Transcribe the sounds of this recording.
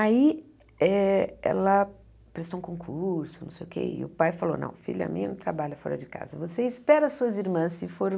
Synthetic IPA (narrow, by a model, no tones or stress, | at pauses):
ai | ɛɛ̰lɐ | pɾest̪oũkõkʰuɾsʊnɐ̃sejʊkḛɪ̰ʊpajfalonɐ̰̃w̃fḭʎʊɐ̰mĩɲɐnɐ̃t̪ʰɾabaʎɐfɔɾɐd͡ʒɪka̰zɐvoseispɛɾɐasuɐziɾmɐ̃sɪfoɾ